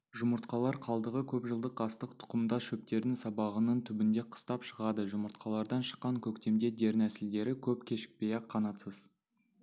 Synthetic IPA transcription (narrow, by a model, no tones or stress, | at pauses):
ʒʊməɾt̪qɑlˠɑɾqʰɑlˠd̪əʁəkʲʰɵpʒəlˠd̪əq̚ɑst̪əqt̪ʰʊ̥qəmd̪ɑʃɵp̚t̪e̞ɾnɪŋsɑbɑʁənəɴt̪ʰʏbɪnd̪e̞qʰə̥st̪ɑpʃəʁɑd̪əʒʊməɾt̪̚qɑlˠɑɾd̪ɑnʃə̥qːɑŋkʲʰɵkt̪e̞md̪e̞d̪e̞ɾnæsɪld̪e̞ɾɪkʲʰɵpkʲʰe̞ʃɪ̥k̚pe̞jɑqʰːɑnɑt̪səz